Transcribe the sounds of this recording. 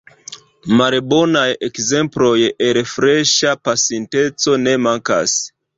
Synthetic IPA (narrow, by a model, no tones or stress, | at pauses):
malbo̞najekze̞mplo̞jeɾefɾeʃapasente̞t͡so̞ne̞maŋka̰s